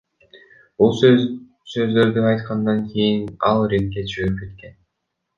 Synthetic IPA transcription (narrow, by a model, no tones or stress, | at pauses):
b̥ulˠs | sø̞zd̪ø̞ɾd̪yɑjt̪qɑnd̪ɑŋkʰʲejinɑlˠɾeŋkʲːet̪ʃøɾyp̚ke̞t̪ke̞n